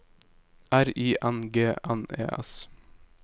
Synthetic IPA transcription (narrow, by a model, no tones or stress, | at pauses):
ʔæɾiːʔænɡeːʔænḛːʔɛ̰s